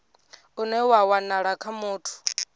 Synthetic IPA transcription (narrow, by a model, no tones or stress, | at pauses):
unɛwawanaɺakʰamuːtʰu̥